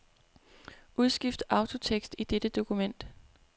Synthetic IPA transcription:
ʔuð̞ˠsɡ̥ifd̥əʔɑ̈ʊt͡sʰo̝t͡sʰeɡ̥sd̥id̥ed̥əd̥o̝kʰumen̰d̥

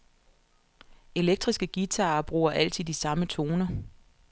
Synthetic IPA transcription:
e̝leɡ̥̚d̥ʁisɡ̥əɡ̥it͡sʰɑ̈ːb̥ʁṵːɐʔæl̰t͡sʰið̰ˠisɑ̈mət͡sʰo̝ːnɐ

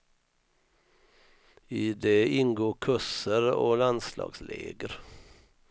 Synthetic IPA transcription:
iːd̪eːɪŋɡoːkʰʉsəɾoːlɑnslɑ̰ːɡslḛːɡəɾ

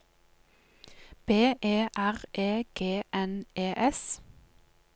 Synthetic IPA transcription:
b̥eːʔeːʔæʁʔeːɡ̥eːʔɛnʔeːʔɛs

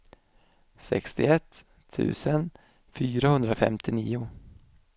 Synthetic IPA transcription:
sɛ̰kst̪ɪɛt̪ʰː | ʉ̟̰ːsən | fyːɾahɵnd̪ɾafɛ̰mt̪ʰɪniːʊ

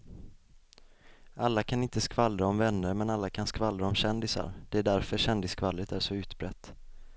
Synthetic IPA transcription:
ʔalːakʰanɪnt̪əskvalɾaɔmvɛnːəɾmɛnalːakʰanskvalɾaɔmɕɛnd̪ɪsa̰ɾd̪̥ɛæɖæɾfœɾɕɛnd̪ɪskvalːət̪ʰæʂɔʉ̟ːt̪bɾɛt̪ː

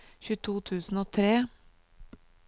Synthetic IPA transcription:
çʉːt̪ʰuːt̪ʰʉːsn̩oːt̪ʰɾeː

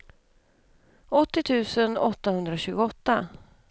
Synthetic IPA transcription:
ɔt̪ːɪt̪ʰʉ̟ːsənɔt̪ːahɵnd̪ɾaɕʉ̟ːɡʊɔt̪ːa

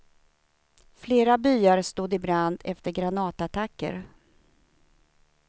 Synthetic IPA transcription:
fleːɾabyːaɾst̪uːd̪ɪbɾand̪ɛft̪əɾɡɾanɑːt̪at̪ʰakːə̰ɾ

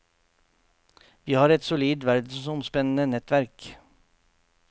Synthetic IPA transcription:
ʋiːhɑːɾɛt̪sʊliːd̪ʋæɾd̪̩sɔmspɛnənənɛt̪ʋæɾk

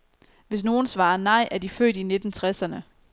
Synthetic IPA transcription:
ʋe̝s̬no̝ːn̩sʋɑ̈ːɐnɑ̈ɪ̰ʔæɐd̥ifø̰ːd̥ine̝d̥n̩t͡sʰʁɛsɐnə

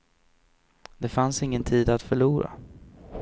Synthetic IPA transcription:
d̪ɛfansɪŋːənt̪ʰiːd̪at̪fœɭuːɾa̰

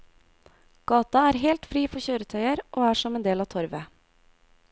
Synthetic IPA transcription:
ɡ̥ɑːt̪ɑæːɾɦɛːlt̪fɾiːfɔçøːɾət̪ʰœʏəɾʔoːæːʂɔmeːnd̪eːlɑːt̪ʰɔɾʋə

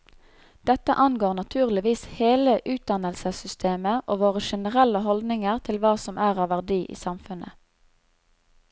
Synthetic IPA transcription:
d̪̥ɛt̪ə̰ʔɑnɡoːʁnɑt̪ʰʉːʁlɪʋiːsheːləʔʉːt̪̚d̪ɑnəlsəsʏst̪ʰeːməʔoːʋoːʁəʃɛnəʁɛləɦɔld̪nɪŋəʁt̪ʰɪlʋɑːsɔmʔæːʁɑːʋæʁd̪iːʔḭːsɑmfʉnə̰

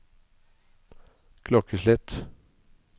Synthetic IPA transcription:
kʰlɔkʰəslɛt̪

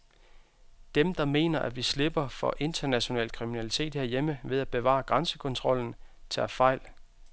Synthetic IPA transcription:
d̥emd̥ɑ̈me̝̰ːnɐʔæʋisle̝b̥ɐfɒ̽ʔe̝nd̥ɐnæɕo̝nɛ̰ːl̥kʰʁiminælit͡sʰe̝̰ːd̥he̝ɐjeməʋe̝ð̞ˠæb̥e̝ʋɑ̰̈ːɡ̥ʁɑnsə̥kʰɔ̽nt͡sʰʁɒ̽l̰n̩t͡sʰeæfɑ̈ɪ̰l

